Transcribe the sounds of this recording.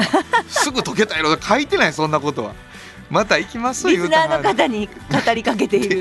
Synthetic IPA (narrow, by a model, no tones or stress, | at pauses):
sɨɡɯ̟t̪o̞ke̞t̪aeɾoakʰait̪e̞naisõ̞nːako̞t̪o̞βa̰ | mat̪aikʲimasɨ̥t̪oijɯːnaːno̞kat̪̬aɲ̟i | kat̪aɾʲikak̬e̞t̪e̞iɾɯ̟